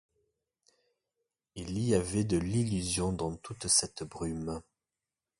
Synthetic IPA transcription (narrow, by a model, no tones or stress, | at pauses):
iliavɛd̪əlilyzjɔ̃d̪ɑ̃t̪ut̪sɛt̪bʁym